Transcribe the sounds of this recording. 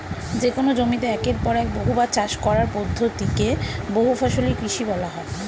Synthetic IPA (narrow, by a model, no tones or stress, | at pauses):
d͡ʑekonod͡ʑomit̪eɛkeɾpɔɾɛk̚boɦubat͡ɕaʃkɔɾaɾpod̪ʱːot̪ikeboɦufʰɔʃolikɾiʃibɔlaɦɔe